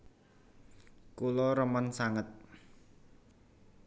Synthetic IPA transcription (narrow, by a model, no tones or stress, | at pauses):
kulɔɾəmənsaŋət̪̚